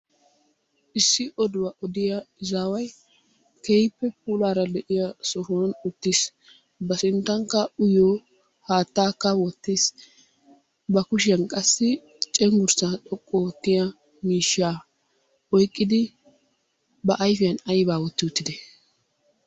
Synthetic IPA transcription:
ʔɪsːɪʔɔd̪ʊwɐʔɔd̪ɪjɐɪzaːwɐj | kɛjpːɛp̚uːlaːɾɐlɛʔɪjɐsɔfonʊt̪ːɪs | bɐsɪnt̪ːɐŋkːɐʊjoː | haːt̪ːaːkːɐwɔt̪ːis | bɐkʊʃɪjɐnkʼɐsːɪ | t͡ʃʼɛŋɡʊɾsaɗɔkʼːɔwɔt̪ːɪjɐ | miːʃːaː | ɔjkʼːɪd̪ɪ | bɐʔɐjfɪjɐnɐjbaːwɔt̪ːɪʊt̪ːɪd̪ɛ

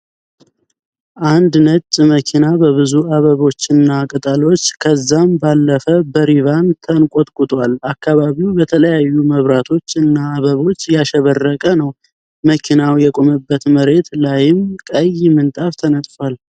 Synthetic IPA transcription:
ʔand̪nət͡ʃʼːməkʰinabəβɨzuaβəβo̞t͡ʃːɨnːakʼət̪ʼalo̞t͡ʃːkʰəzːambalːəfəbəɾivant̪ʰənkʼot̪ʼkʼʊt̪ʼwalakʰːaβaβiwbət̪ʰələjajːuməβɾat̪ʰo̞t͡ʃːɨnːaːβəβo̞t͡ʃːjaʃɛβərːəkʼənəw | məkʰinawjɛkʼoməbːət̪məɾe̞t̪lajɪmkʼəjɪmɨnt̪ʼaft̪ʰənət̪ʼfal

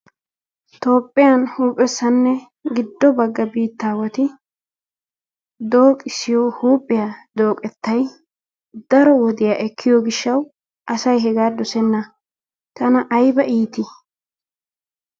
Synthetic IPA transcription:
t̪o̞ːpʼːɪjɐnhuːpʼːɛsːɐnːɛ | ɡɪd̪ːɔbɐɡːɐbiːt̪ːaːwɔt̪ɪ | d̪o̞ːkʼɪsɪjohuːpʼːɪjad̪oːkʼɛt̪ːɐj | d̪̥ɐɾɔwɔd̪ɪjaːʔɛkʰːɪjɔɡɪʃːɐw | ʔɐsɐjɦɛɡaːd̪ɔsɛnːɐ | t̪ɐnɐʔɐjbɐʔiːt̪ɪ

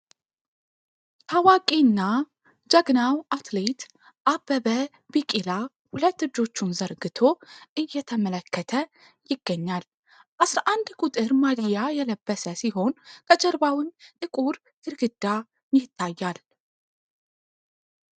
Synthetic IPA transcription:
t̪ʰawakʼinːa | d͡ʒaɡnawʔat̪let̪ | ʔabəbə | bikʼila | hulət̪ːɨd͡ʒːo̞t͡ʃːunzəɾɡɨt̪ʰo̞ʔɨjːɛt̪ʰəmələkːət̪ʰə | jɪɡ̥ːəɲːal | ʔasɾaʔand̪kʼut̪ʼɨɾmad̪ijajɛləbːəsəsiho̞nkʰəd͡ʒəɾbawɨnt̪ʼɨkʼuɾ | ɨɾɡɨd̪ːa | njɪt̪ʰːajːal

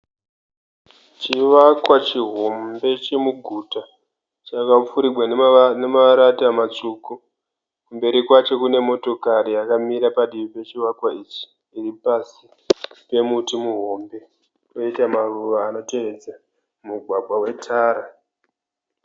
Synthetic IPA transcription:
t͡ʃiʋakwat͡ʃiɦo̞mbe̞t͡ʃemuɡʱuta | t͡ʃakap͡fuɾiɡʱwanemaɾatiamat͡ʂuːko | kumbe̞ɾikwat͡ʃo̞kune̞mo̞to̞kaɾijakamiɾapaɗiipe̞t͡ʃiʋakwait͡ʃi̥ː | ripasi | pe̞mutimuɦo̞mbe̞ | ko̞itamaruʋaːno̞te̞ʋed͡za | muɡʱwaɡʱwawe̞tʰaːɾa

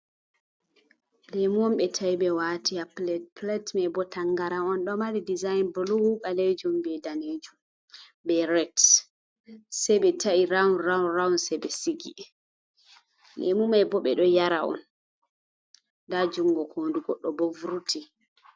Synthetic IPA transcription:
lemuɔmɓɛtʰajɓɛwatʰiaplɛtplɛtmajbɔtʰaŋɡaɾaɔnɗɔmalidizajnbluwuɓaled͡ʒumbɛdaned͡ʒum | bɛɾɛt | sɛjɓɛtʰaiɾawnɾawunrawnsɛbɛsiɡḭ | lɛ̰mumajbɔɓɛɗɔjaɾaɔ̰n | dad͡ʒuŋɡɔkʰoːnduɡɔɗːɔbovuɾutʰi

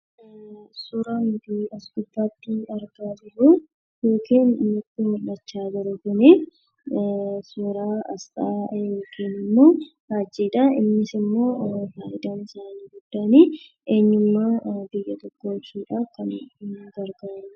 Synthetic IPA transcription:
sʊɾɐnʊb̪iːɐsɡʊb̪ːaːt̪ːɪɐɾɡaːd͡ʒɪɾu | jo̞ːkiːnmʊt̪ːɪmʊɐt͡ʃːaːɡɐɾʊkʊneː | sʊɾaːɐst̪ʼajoːkʰiːnɪmːo̞ː | haːd͡ʒːiːᶑɐɪ̰mːɪsɪmːo̞ːfaːʔɪd̪aːnɪsaːniːɡʊd̪ːaːniː | e̞ːɲːʊmːaːbɪjɐt̪ɔkːoːt͡ʃːiːᶑakɐnɡɐɾɡaɾɐn

